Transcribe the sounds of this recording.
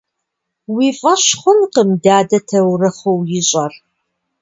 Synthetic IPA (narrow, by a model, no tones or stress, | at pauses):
wiːfʼɐɕχʷʊnqəmdaːdɐtʰɐwrɐχʷowjɪɕʼɐr